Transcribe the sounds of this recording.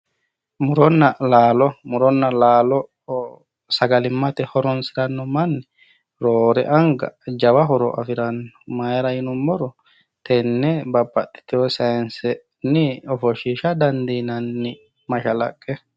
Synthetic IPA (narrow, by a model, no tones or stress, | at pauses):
mʊɾɔnːɐlaːlɔmʊɾɔnːɐlaːlɔ | sɐɡɐlɪmːɐt̪ɛhɔɾɔnsɪɾɐnːɔmɐnːɛ | ɾoːɾɛ̰ʔɐŋɡɐ̰d͡ʒɐwɐɦɔɾɔʔɐ̰fɪɾɐnːɔmɐjɾɐjɪnʊmːɔɾɔ | t̪ʰɛnːɛbɐbːɐt̪ːɪ̥t̪ɛɔsɐɛnsɛ | nɪɔfɔʃiːʃɐd̪ɐnd̪inɐnːɪ | mɐʃɐlɐ̰kʼːɛ